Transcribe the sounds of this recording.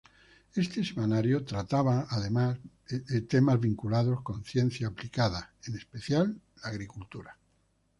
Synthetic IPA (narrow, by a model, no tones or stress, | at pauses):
e̞st̪esemanaɾjot̪ɾat̪aβ̞aːðemaz | et̪emazβiŋkulað̞o̞skõ̞nθje̞n̟θjaːplikaðaenespeθjalː | aːɣɾikult̪uɾa